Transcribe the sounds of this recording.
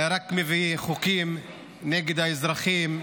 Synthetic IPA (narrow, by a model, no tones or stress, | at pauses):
ɾakmeviχukim | nɛɡed̪aɪzɾaχim